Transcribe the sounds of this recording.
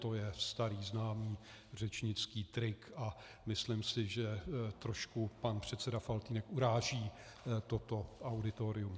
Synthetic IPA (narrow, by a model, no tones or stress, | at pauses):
t̪ojɛst̪aɾiːznaːmiː | r̝ɛt͡ʃɲɪt͡skiːt̪ɾɪka | mɪslɪmsɪʒɛt̪ɾoʃkupanpr̝̥ɛt̪t͡sɛdafalt̪iːnɛkuɾaːʒiː | t̪ot̪o̞ʔawdɪt̪oɾɪum